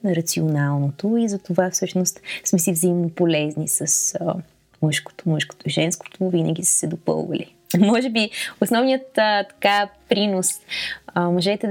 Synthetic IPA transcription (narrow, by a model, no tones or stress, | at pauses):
nɐɾɐt̪sionalˠnot̪oizɐt̪ovafsɤʃnost̪smɛs̬ivzɐimnopolɛznisɐsə | mɤʃko̥t̪o̥mɤʃko̥t̪oiʒɛnsko̥t̪ovinɐ̰ɡ̟ʲisɛ̥sɛd̪opɤ̰lˠvə̰lḭ | mɔʒɛbiosnɔvnijət̪ət̪ɐ̥kapɾinosəmoʒɛt̪ɛ